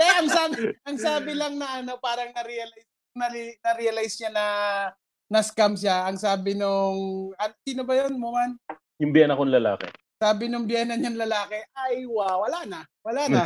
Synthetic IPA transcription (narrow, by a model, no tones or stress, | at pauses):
t̪ɛʔɐŋsabɪʔɐŋsaːbɪlɐŋnɐʔɐno̞paːɾɐŋnɐɾiɐlajs | nɐinɐɾiɐlajsɲanɐ | nɐskamsaʔɐŋsaːbɪnoŋɐsiːnobɐjonmʊman | jʊŋbjɛnɐkonlɐla̰ːkɛ̰ | saːbɪnʊŋbjɛːnɐɲaŋlɐlaːkɛʔajwawɐlanɐ | wɐlanɐ